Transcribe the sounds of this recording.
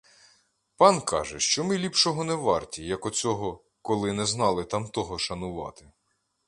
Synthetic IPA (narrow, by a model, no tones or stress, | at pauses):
pɑnkɑ̰ʒɛʃt͡ʃɔmɪlʲipʃɔɦɔnɛʋɑrtʲijɐkɔt͡sʲɔɦɔ | kɔlˠɪnɛznɑlˠɪt̪ɑmt̪ɔɦɔʃɐnʊʋɑ̰t̪ɪ